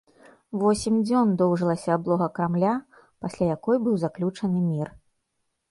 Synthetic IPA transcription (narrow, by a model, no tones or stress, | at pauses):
vɔsʲimʲd͡zʲɔnd̪ɔwʐɨlˠɐsʲɐːblˠɔɣɐkɾamlʲa | pasʲlʲajakɔjbɨwzaklʲut͡ʂɐnɨmʲir